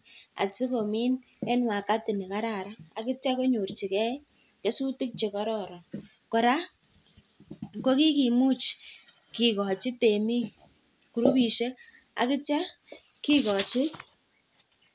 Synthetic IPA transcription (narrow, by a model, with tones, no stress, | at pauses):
a̰˨t͡si˦ko˨mi˦n | ɛ˦nwa˨ka˦tɪ˨ni˨ka˦ɾa˨ɾa˦a̰˨kɪ˦t͡ʃa˦ko˦ɲu˨rt͡ʃi˨kɛ˦ | t͡ʃe˦su˦tɪ˦k̚t͡ʃe˨kɔ˦ɾɔ˨ɾɔ˨ | kɔ˨ɾa˦ | ko˦ki˦ki˨mu˦t͡ʃ | ki˨kɔ˨t͡ʃi˦te˨mi˦ | ku˨ɾu˦bi˨ʃe˦k | a̰˨kɪ˦t͡ʃa˦ | ki˦kɔ˨t͡ʃɪ˦